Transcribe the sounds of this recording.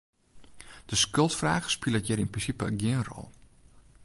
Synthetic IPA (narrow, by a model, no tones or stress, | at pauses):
d̥əskølˠtfraːɣə̥spɪlˠəətjɛrinprinsipə̰ɡɪənrɔ̰lˠ